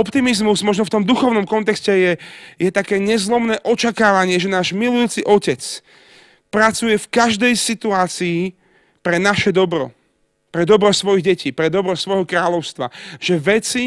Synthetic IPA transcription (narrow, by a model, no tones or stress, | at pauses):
ɔpt̪imizmuzmɔʒnɔft̪ɔmd̪uxɔʊnɔmkɔnt̪ɛkscɛjɛjɛt̪akɛːɲɛzlɔmnɛːʔɔt͡ʃakaːʋaɲɪɛʒɛnaːʒmilujuːt͡siʔɔcɛt͡s | pɾat͡sujɛfkaʒd̪ɛjsit̪uaːt͡siː | pɾɛnaʃɛd̪ɔbɾɔ̰ | pɾɛd̪ɔbɾɔsʋɔjiɣɟɛciːpɾɛd̪ɔbɾɔsʋɔjɦɔkɾaːʎɔʊst̪ʋa̰ʒ̥ɛʋɛt͡si